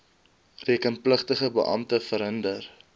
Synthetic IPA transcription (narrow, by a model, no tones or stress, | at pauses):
riəkənpləχtəχəbə̰ʔɐmtəfəɾɦəndər